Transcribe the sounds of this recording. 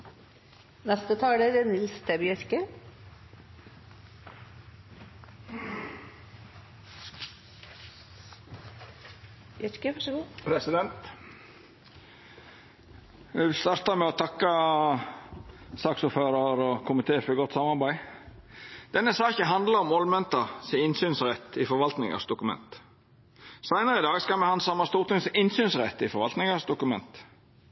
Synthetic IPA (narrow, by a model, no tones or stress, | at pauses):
nɛst̪ət̪ʰɑːɡɖ̪əd̪ɛnɪlst̪ʰɛbjœɾkə | jœɾkəʋæʂɔɡuːpʰɾɛsɪd̪ɛnt̪ | ʋɛst̪ɑɾt̪ɑmɛɔt̪ʰɑkːə | sɑːksuːføːɾɑɾɔkʰʊmɪt̪ʰeːfɔɾɡɔt̪ːsɑmɑɾbæɪ | d̪̥ɛnːəsɑːçəɦɑnd̪ləɔmɔlmɛnt̪əsɪɪnsyːnsɾɛt̪ːɪfɔɾʋɑlt̪nɪ̰ŋə̰sd̪ʊkʉmɛ̰nt̪ | sæɪnəɾəɪd̪ɑːɡskɑlmɛhɑnsɑmːɑst̪uːɾt̪ɪŋsɪnsyːnsʁɛt̪ːɪfɔɾʋɑlt̪nɪŋəsd̪ʊkʉmɛnt̪